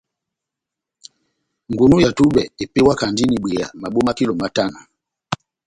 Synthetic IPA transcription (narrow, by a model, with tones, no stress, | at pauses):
ŋɡu˨nu˦ja˨tu˦ɓɛ˨ɛ˨pɛ˦wa˦ka˨ndi˦ni˨ɓwɛ˨ja̰˨ma˨ɓɔ˦ma˦ki˦lɔ˨ma˨ta˦nɔ˨